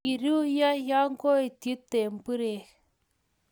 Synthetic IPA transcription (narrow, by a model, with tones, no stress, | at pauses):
i˨ɾi˦ja˦ja˦ŋ˦ɡo˦e˨ti˦t̪e˨m˨pɨ˦ɾe˨